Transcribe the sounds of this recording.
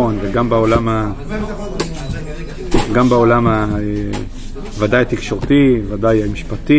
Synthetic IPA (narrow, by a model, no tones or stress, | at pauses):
onveɡambeo̞lama | ɡambao̞lamae | vadajat̪ikʃo̞ʁt̪ivadajamiʃpat̪i